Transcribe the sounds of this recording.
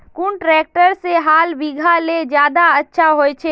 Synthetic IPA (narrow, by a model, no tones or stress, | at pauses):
kuɳʈɾɛk̚ʈəɾseɦalbiɡʱaled͡ʒjad̪aətːʃʰaɦojt͡ʃʰɛ